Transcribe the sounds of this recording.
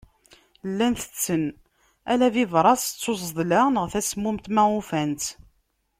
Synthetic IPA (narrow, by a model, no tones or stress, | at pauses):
lːænθə̥t͡sːən | ælæviðˤɾˤɑst͡sːos̬ˤðˤlænəʁθæsmʊmt̪mæʁʊfænt̪